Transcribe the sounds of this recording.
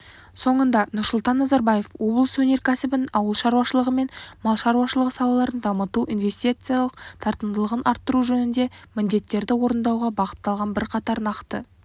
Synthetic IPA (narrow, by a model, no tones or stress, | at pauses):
so̞ɴənd̪ɑnʊɾsʊlˠt̪ɑnːɑzɑɾbɑje̞fwo̞blˠəswɵne̞ɾkʲʰæsɪbɪnɑwəlˠʃɑɾuwɑʃəlˠəʁəme̞nmɑlˠʃɑɾwɑʃəlˠəʁəsɑlˠɑlˠɑɾənd̪ɑmət̪uʔinve̞st̪ijt̪sɨjɑlˠəqt̪ʰɑɾt̪ənd̪əlˠəʁənʔɑɾt̪ːəɾuʒɵnɪnd̪e̞mɪnd̪e̞t̪ːe̞ɾd̪ɪwo̞ɾənd̪ɑwʁɑbɑqə̥t̪ːɑlˠʁɑnbɪɾqʰɑt̪ɑɾnɑqt̪ə